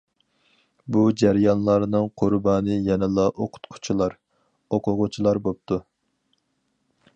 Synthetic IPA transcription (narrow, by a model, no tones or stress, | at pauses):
bud͡ʒæɾjɑnlˠɑɾnɨŋqʰʊɾbɑːnɨjɛnɪlˠɑʔoqʰʊ̥t̪qʰʊ̥t͡ʃʰilˠɑɾ | oqʰʊʁʊt͡ʃʰilˠɑɾbop̚t̪ʰu